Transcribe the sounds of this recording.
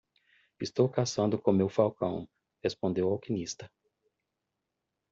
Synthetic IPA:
ɪst̪owkasɐ̃nd̪ʊkõmewfawkɐ̃w̃ | hespõnd̪ewawkinist̪ɐ

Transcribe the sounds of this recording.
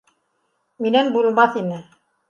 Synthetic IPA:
minænbulˠmɑθinɘ

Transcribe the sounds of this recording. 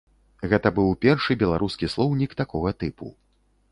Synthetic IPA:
ɣɛt̪ɐbɨwpʲɛrʂɨbʲɛlˠaɾuskʲislˠɔwnʲikt̪akɔɣɐt̪ɨpṵ

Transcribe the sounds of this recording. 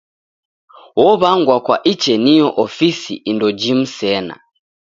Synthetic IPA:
wɔβaŋɡwakwa̰ʔit͡ʃɛnijɔʔɔfisḭʔindɔd͡ʒim̩sɛna̰

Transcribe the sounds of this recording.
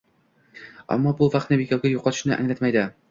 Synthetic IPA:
a̰mːɒbʊvɑq̪nɪbekʲawɡʲajoqɑt̪ʊ̥ʃnɪʔa̰ŋlat̪majd̪ɪ

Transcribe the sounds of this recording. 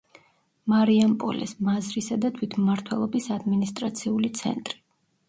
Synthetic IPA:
maɾiampʼɔ̰lɛ̰smazɾisad̪at̪ʰwit̪ʰmaɾt̪ʰwɛlˠɔbisad̪minist̪ʼɾat̪sʰiulit̪sʰɛ̰nt̪ʼɾi

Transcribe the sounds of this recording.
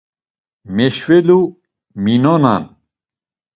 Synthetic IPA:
mɛʃvɛlu | minɔna̰n

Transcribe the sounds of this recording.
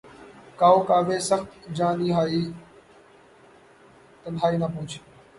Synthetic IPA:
kaːoːkaːʋeːsəxt̪d͡ʒaːniːɦaːiː | t̪ənɦaːiːnapʊːt͡ʃʰi̥ː

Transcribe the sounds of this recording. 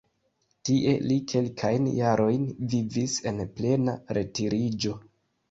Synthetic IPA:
tiʔe̞̰likʰe̞lkʰajnjaɾo̞jnvivise̞nple̞naɾe̞tiɾid͡ʒo̞

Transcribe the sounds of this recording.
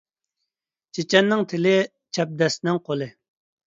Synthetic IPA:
t͡ʃʰet͡ʃɛnːɪŋt̪ʰɪlɪ | t͡ʃʰɛp̚d̪ɛsnɪŋqolˠɪ

